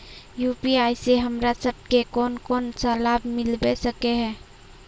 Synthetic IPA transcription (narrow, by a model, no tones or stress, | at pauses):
jupiajseɦəmɾasəb̚ʱkekɔnkɔːnt͡ʃalabmɪlbɛsəkeɦɛ̃ː